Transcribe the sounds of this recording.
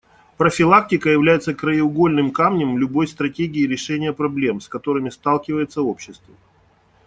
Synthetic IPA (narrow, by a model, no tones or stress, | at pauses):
pɾəfʲɪlˠak̚tʲɪkəjɪvlʲæjɪt̪səkɾəɪʊɡo̞lʲnɨmkamnʲɪmlʲʊbo̞jst̪ɾɐtʲeɡʲɪɪɾʲɪʂɛnʲɪjəpɾɐblʲe̞mskɐt̪o̞ɾɨmʲɪst̪alˠkʲɪvəjɪt̪səo̞pɕːɪst̪və